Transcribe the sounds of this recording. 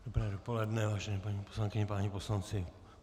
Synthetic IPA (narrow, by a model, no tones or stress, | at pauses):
d̥obɾɛːdopolɛdnɛvaːʒɛnɛːpaɲiposlaŋkɪɲɛpaːɲiposlant͡sɪ